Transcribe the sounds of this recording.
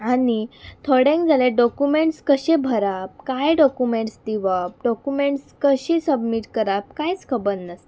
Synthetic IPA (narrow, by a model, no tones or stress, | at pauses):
anit̪ʰoɽẽŋkd͡zaleɖɔkumeɳʈskəɕẽbʱəɾap̚kajɖɔkumeɳʈst̪iʋap̚ɖɔkumeɳʈskəɕisəbmiʈkəɾap̚kajt͡skʰəbəɾnəst̪